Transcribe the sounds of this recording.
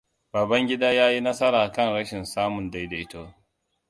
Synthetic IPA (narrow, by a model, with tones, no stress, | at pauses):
baː˨bɐ˦ŋɡʲɪ˦daː˦jaː˦ji˦nɐ˦sɐ˦ɾaː˨kɐ˦nɽɐ˦ʃɪ˨nsaː˦mʊ˨nda˦jda˨ɪ˦to˦